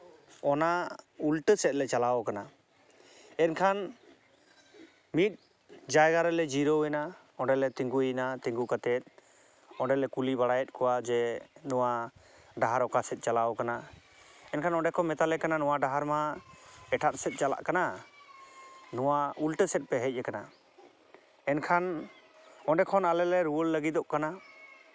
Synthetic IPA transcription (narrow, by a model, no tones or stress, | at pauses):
ɔnaulʈəsɛt̪̚lɛt͡ʃalaɔkana | ɛnkʰan | mit̪̚ | d͡ʒajɡaɾɛlɛd͡ʒiɾɔwɛna | ɔɳɖɛlɛt̪iŋɡujinat̪ĩŋɡukat̪ɛt̪̚ˀ | ɔɖɛlɛkulibaɽajɛt̪̚ˀkɔwad͡ʒɛnɔwa | ɖaɦaɾɔkasɛt̪̚ˀt͡ʃalaɔkana | ɛnkʰanɔɳɖɛkɔmɛt̪alɛkananɔwaɖaɦaɾmaɛʈʰat̪̚sɛt̪̚ˀt͡ʃala̰ʔkana | nɔwaulʈəsɛt̪̚pɛɦɛc̚ˀːɛkana | ɛnkʰan | ɔɖɛkʰɔnalɛlɛɾuwəlːəɡit̪ɔʔkana